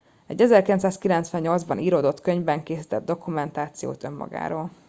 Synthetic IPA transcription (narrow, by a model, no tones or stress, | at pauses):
ɛ̰ɟːɛzɛrkilɛnt̪saːskilɛnt̪sʋɛɲːɲo̞ld̪zbɒnʔiːɾoːd̪o̞t̪køɲvbɛŋkeːsit̪ɛd̪̚d̪o̞kumɛnt̪aːt̪sijo̰ːt̪ø̞mːɒ̰ɡa̰ːɾoːl